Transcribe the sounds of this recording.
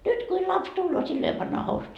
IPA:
nyt kuil lɑps tulːoː silːo jo pɑnːɑː housut

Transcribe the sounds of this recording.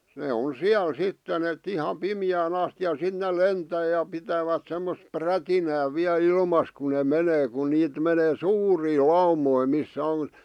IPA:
neː on siæl sitːen et ihɑ pimĭjæːn ɑsti jɑ sit nel lentæː jɑ pitæʋæt semːos prætinæː ʋiæl ilmɑs kun ne meneː ku niːt meneː suːriː lɑumoi misːæ on

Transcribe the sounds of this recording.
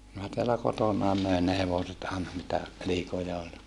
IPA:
minæ teælæ kotonɑˑe møˑen ne heʋoset ɑˑenɑ mitæ liːkojɑ olʲ

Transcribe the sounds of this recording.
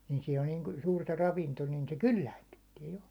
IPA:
ni siːn on niːn suːrtɑ rɑʋinto nin se kylːæinːytːiɛ jo

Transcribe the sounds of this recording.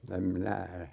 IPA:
em minæ

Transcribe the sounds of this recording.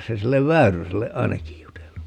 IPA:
se silːeʋ ʋæyryselːe ɑinɑkij jutelːu

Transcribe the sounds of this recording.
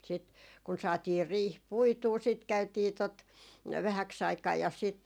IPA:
sit kun sɑːtiːr riːh puituː sit kæytiː tot ʋæhæks ɑikɑː jɑ sit

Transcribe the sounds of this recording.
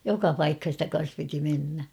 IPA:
jokɑ pɑikhɑn̞ stæ kɑn̞s piti menːæ

